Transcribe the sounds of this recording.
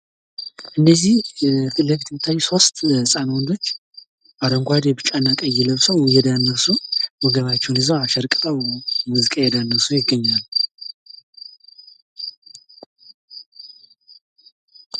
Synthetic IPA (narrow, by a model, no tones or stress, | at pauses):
ʔɨnːəzːiht̪ɨləfit̪ɨmt̪ʰːajso̞st̪ʼsʼanwɔnd̪o̞t͡ʃː | ʔad̪əŋɡʷad̪ɛbɨt͡ʃʼanːakʼəjɛləβsəwjɛd̪anːəsuwɔɡəβat͡ʃːɛwnɨzəwaʃɛɾkʼt̪ʼəwmuzɨkʼajɛd̪anːəsujɪɡːəɲːal